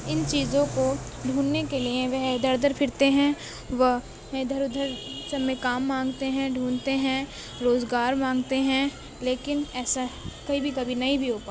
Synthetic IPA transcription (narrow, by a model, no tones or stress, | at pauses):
ɪnt͡ʃiːzõko | ɖʱuːnːekeliẽʋɛɦd̪ʱɐɾd̪ʱəɾpʰɪɾt̪eɦɛ̃ | ʋəɦ | ẽd̪ʱɐɾʊd̪ʱəɾsɐmẽkaːmːãːŋɡt̪eɦɛ̃ɖʱũːnt̪eɦɛ̃ | ɾoːzɡaːɾmãːŋɡt̪eɦɛ̃ | leːkɪnɛːsakɐbʱibʱikɐbʱinɐɦĩbʱioːpaː